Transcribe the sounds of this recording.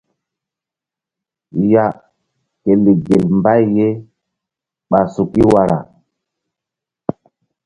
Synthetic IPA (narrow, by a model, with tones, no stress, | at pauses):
ja˨ | ke˨li˨ɡe˨lmba˦jje˦ | ɓa˨su˨ki˦wa˦ɾa̰˨